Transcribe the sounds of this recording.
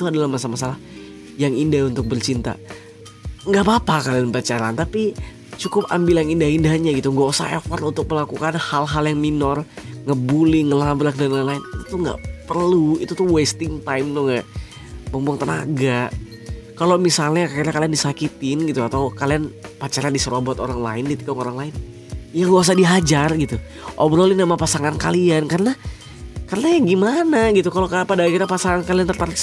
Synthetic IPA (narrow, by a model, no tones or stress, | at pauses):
it̪uadalahmasamasalah | jaŋindahunt̪ʊk̚bərt͡ʃint̪a̰ | ŋɡaʔpapakalianpət͡ʃaɾant̪api | t͡ʃukʊpa̰mbilanindahindaɦɲaɡit̪uŋɡosa̰efɔrt̪unt̪ʊk̚məlakukanhalɦaljaŋminɔrŋəbuliŋəlabɾakdanalaɪnit̪ut̪ʊŋɡa̰ʔpərluit̪ut̪ʊhwest̪ɪŋt̪ajmt̪uŋɡaʔ | bumpaŋt̪ənaɡa | kalomisalɲakakiɾakaliandisakit̪ɪnɡit̪uat̪awkalianpat͡ʃaɾadisəɾobɔt̪oɾaŋla̰ɪnkit̪ikaŋoɾaŋlaɪn | ijaŋɡuas̬adiɦad͡ʒarɡit̪u | ʔɔbɾolinamapasaŋanka̰liankarəna | kaɾənaɡimanaɡit̪ukalokapadakiɾapasaŋankaliant̪ərt̪aɾɪks